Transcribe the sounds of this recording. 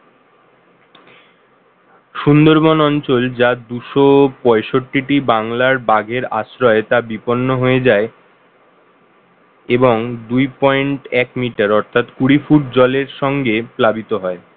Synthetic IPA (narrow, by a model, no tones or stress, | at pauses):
ʃund̪oɾbonɔnt͡ɕold͡ʑad̪uʃopɔeʃoʈːiʈibaŋlaɾbaɡʱeɾa̰ʃɾɔet̪abiponːoɦoed͡ʑae | eboŋd̪ujpɔeɳʈɛkmiʈaɾɔɾt̪ʰat̪kuɽifuʈ̚d͡ʑɔleɾʃɔŋɡeplabit̪oɦɔe